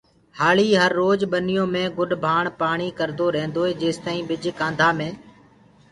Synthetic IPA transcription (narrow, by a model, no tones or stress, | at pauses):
haːɭiːɦəɾːoːd͡ʒɓənɪjõːmẽːɡʊɗbʱaːɳpaːɳ̃iːkəɾd̪oːɾẽːnd̪oːeːd͡ʒeːst̪aːĩːɓɪd͡ʒkãːnd̪ʱaːmẽː